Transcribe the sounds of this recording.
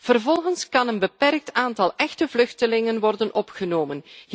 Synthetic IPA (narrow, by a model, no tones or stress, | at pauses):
v̥ərvɔlˠɣənskɑnənbəpɛrk̚taːntɑlˠɛxtəvlɵxtəlɪŋənʋɔrdənʔɔpχənoːmən